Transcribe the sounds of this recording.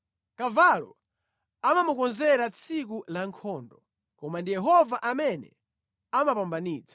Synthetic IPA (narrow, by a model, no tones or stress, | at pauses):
kavalɔ̰ | amamukɔnzɛɾat͡sʰik̬ulaŋkʰɔːndɔ | kɔmandijɛɦɔvaʔamɛnɛ̰ | amapambaniːt͡sʰḁ